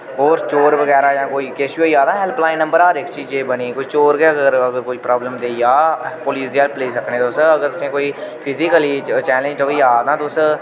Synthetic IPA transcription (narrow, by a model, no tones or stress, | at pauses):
oːɾt͡ʃoːɾʋəɡɛːɾaːjãːkoːiːkeːsioːiaːd̪ãːɦɛlplaːɪ̃nːə̃mbəɾaːɾɪkt͡ʃiːd͡ʒeːbəniːkoːiːt͡ʃoːɾɡeəɡəəɾəɡəɾkoipɾaːbləmd̪eːjaːpoːliːzjəːlpleːsəkʰnẽːt̪osəɡəɾt̪ʊsẽːkoːiːpʰɪzɪkəlit͡ʃɛːlẽd͡ʒʈ̪oiaːd̪nãːt̪oʊs